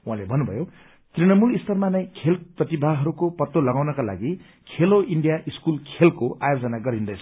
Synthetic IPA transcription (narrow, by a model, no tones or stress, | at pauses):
wãlebʱʌnːubʱʌ̰jo | t̪rinʌmulist̪ʰʌrmanʌj̃kʰelprʌt̪ibʱaɦʌɾukopʌt̪ːolʌɡawnʌkala̰ɡi | kʰeloiɳɖijaʔiskulkʰelkoʔajod͡zʌnaɡʌɾɦind̪ʌjsʰ